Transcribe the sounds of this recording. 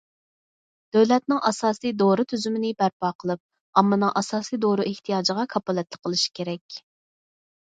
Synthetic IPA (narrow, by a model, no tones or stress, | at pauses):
d̪̥øwlɛt̪̚nɨŋʔɑsɑːsijd̪oɾɨt̪ʰyzymɪnɪbæɾpɑːqʰəlˠɨp̚ | ɑmːɨnɨŋʔɑsɑːsijd̪oɾɨʔeht̪ʰijɑːd͡ʒəʁɑkʰɑpɑlˠɛt̪lˠəqʰːəlˠɨʃi̥kʲʰeɾɛkʲ